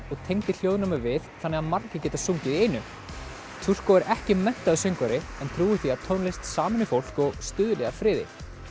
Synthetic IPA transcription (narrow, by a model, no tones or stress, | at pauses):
ɔɣt̪ʰejŋt̪ɪl̥jowðʏɪnamɛɣvɪðθanːɛɣaðmaɾcɪcɛːt̪asuŋcɪðiejnʏ | t̪ʰur̥kɔɛɾʔɛhcɪmɛn̥t̪aðʏsejŋkvaɾɪɛnt̪ʰɾuːɪθiaðt̪ʰownlejst̪saːmɪnɪfowl̥kɔɣst̪ʏːðʏlɛɣafɾɪːðɪ̰